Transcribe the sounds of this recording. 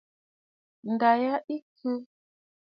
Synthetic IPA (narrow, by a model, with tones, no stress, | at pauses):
n˨da˨ja˦ʔi˦kʰɨ˦